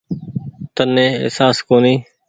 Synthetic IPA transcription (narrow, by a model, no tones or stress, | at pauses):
t̪ənẽːɪ̰saːskoːniː